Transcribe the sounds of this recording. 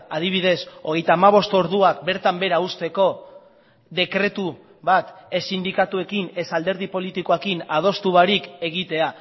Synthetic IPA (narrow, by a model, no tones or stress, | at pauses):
að̞iβ̞iðe̞so̞ɣ̞e̞jt̪aːmaβ̞o̞st̪o̞ɾðuak̚be̞ɾt̪ambe̞ɾaust̪e̞ko̞ | d̪e̞kɾe̞t̪u | βat̪esind̪ikat̪ue̞kine̞sald̪e̞ɾð̞ipo̞lit̪ikoekinað̞o̞st̪uβaɾike̞ɣ̞it̪e̞a